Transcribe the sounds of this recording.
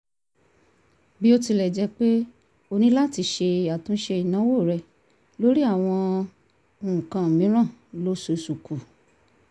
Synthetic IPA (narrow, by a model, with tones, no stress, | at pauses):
bi˦o˧˦ti˧lɛ˨d͡ʒɛ˧k͡pe˦ | o˧nĩ˦la˦˨ti˧ʃe˧a˨tũ˨˦ʃe˧i˨nã˨˦wo˦˨ɾɛ˧˨ | lo˦ɾi˦a˦˨w̃ɔ̃˧ | u˨ũ˨kã˨mĩ˨˦ɾ̃ã˦˨lo˦so˨˧su˨ku˨